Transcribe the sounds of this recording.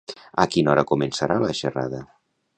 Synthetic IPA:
əkinɔɾəkumensəɾʔaləʃəra̰ðə

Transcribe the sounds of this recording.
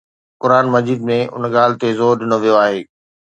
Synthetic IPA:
kʊɾaːnmɐd͡ʑiːd̪mẽʔʊ̰nɠaːlɪ̆t̪ezoːɾɗɪnoʋijoaːɦeː

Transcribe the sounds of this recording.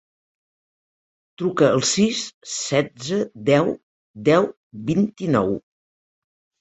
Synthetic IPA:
t̪ɾukəəlˠsissːɛd͡zəd̪ɛw | d̪ɛw | βint̪inɔw

